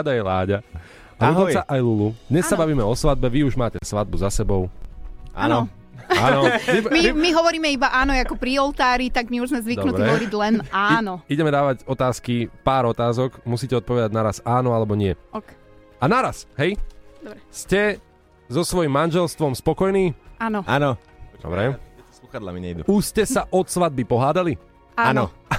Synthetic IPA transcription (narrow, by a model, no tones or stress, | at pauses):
ad̪ajɛlaːɟa | aluɔsaʔajlulud̪ɲɛssabaʋiːmɛɔsʋad̪̚bɛʋiuʒmaːcɛsʋad̪̚buzasɛbɔʊa̰nɔ | anɔimimiɦɔʋɔɾiːmɛibaʔaːnɔjakɔpɾiɔlˠt̪aːɾit̪aɡmiuʒzmɛzʋid̪nutɾɛɔɔɾiɟlɛnaːnɔiɟɛmɛd̪aːʋaɟɔt̪aːskipaːɾɔt̪aːzɔɡmusiːcɛɔt̪̚pɔʋɛd̪aɟnaɾasaːnɔalɛbɔɲɪɛɔk | anaɾasɦɛjd̪ɔbɾɛscɛ | zɔsʋɔjimːanʒɛlst̪ʋɔmspɔkɔjniːaːnɔa̰nɔ | d̪ɔ̰bɾɛɛ̥skuxad̪la̰miɲɛ̰jd̪ṵuscɛsaʔɔt̪sʋad̪̚bipɔɦaːd̪ali | aanɔ